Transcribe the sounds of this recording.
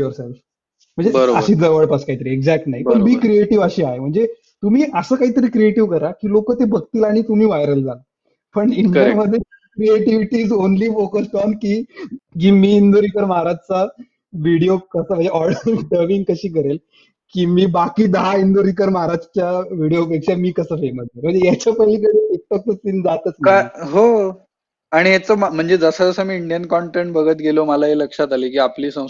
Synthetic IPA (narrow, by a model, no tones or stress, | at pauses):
joɾself | m̤əɳd͡zeəəɕiːd͡zəʋəɭpəskait̪əɾiːeɡd͡zæk̚ʈnaɦipəɳmiːkɾieʈiʋəɕiːaɦem̤əɳd͡ze | t̪um̤iːʔəsəːkaɦit̪əɾiːkɾieʈiʋkəɾakiːlokəːt̪ebʱəɡt̪iːlaɽ̃it̪um̤iːʋajɾəld͡za | pəɳind̪əɾməd̪ʱːje | kɾieʈiʋiʈiːd͡zonliːfokəspɔnkiːkiːmiːind̪oɾikəɾmaɾad͡zt͡sa | ʋiɽijokəsəm̤ə̃ɳd͡zd͡ʑeʔɔlajʋɖəʋiŋɡkəɕiːkəɾel | kiːmiːbakiːd̪əɦaind̪oɾik̬əɾmaɾad͡ʑt͡ɕjaʋiɽijop̬ekʂamiːkəsəːfeməseməɳd͡zejat͡ɕapə̃iːk̬əɽiik̚pək̚t̪ət͡sind͡zat̪ət͡smkaɦo | aɽ̃iet͡səmm̤əɳd͡zed͡zəsəd͡zəsəmiːiɳɖijənkɔɳʈeɳʈbəɡʱət̪ɡʱeloməlaɦeləkʂat̪aliːkiːapliːsə̃w̃